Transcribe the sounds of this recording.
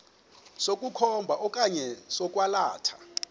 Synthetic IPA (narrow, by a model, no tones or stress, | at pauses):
sokʼukʰɔmbʱaʔɔkʼaɲɛsɔkʼwalaːtʰḁ